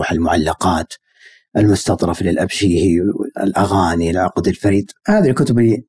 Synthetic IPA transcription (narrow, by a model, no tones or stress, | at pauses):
ħalmʊʕalːɑqɑːt̪ | ʔɪlmʊst̪ɑt̪ˤɾˤɑflɪlʔabʃiːhiɪ̰lʔaɣaːnilʕaqd̪ɪlfaɾiːd̪ˤhaːðalkʊt̪ʊbli